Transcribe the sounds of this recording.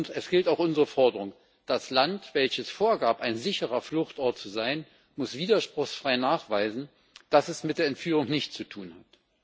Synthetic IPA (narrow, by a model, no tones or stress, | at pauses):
ntɛsɡ̥ɪltaʊxʔʊnzəʁəfɔɐdəʁʊŋ | d̥aslantv̥ɛlçəsfoːɐɡaːpaɪnzɪçəʁ̞ɐflʊχtʔɔɐtt͡suzaɪn | mʊsv̥iːdɐʃpʁ̥ʊχsfʁ̥aɪnaːχv̥aɪzn̩ | d̥asɛsmɪt̚d̥eːɐɛntfyːʁ̞ʊŋnɪçtt͡sutʰuːnhat